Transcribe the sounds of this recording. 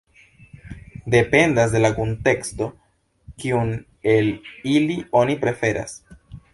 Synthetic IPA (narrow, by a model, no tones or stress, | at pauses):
de̞pe̞ndasde̞lakonte̞ksto | kiun | e̞lilio̞nipɾe̞fe̞ɾʔa̰s